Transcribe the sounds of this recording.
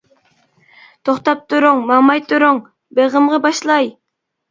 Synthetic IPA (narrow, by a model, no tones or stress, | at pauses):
t̪ʰoχt̪ɑp̚t̪ʰuɾoŋmɑmɑjt̪ʰuɾoŋ | beʁəmʁɑbɑʃlˠɑj